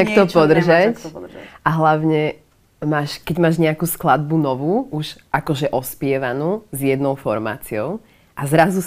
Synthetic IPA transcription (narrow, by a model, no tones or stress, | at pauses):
takt̪ɔpɔd̪r̩ʒacʔaɦlaʊɲɛ | maːʃkɛɟmaːʒɲɛakuːsklad̪̚bunɔʋuːʔuʃʒʔakɔʒɛʔɔspɪɛʋanuːzjɛd̪nɔʊfɔɾma̰ːt͡siɔʊ | ʔazɾazu